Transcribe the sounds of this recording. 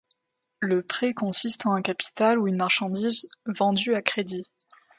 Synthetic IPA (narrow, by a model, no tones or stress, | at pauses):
ləpχekɔ̃sist̪ɑ̃ɛ̃kapi̥t̪aluynmaʁʃɑ̃d̪izvɑ̃d̪yakχed̪i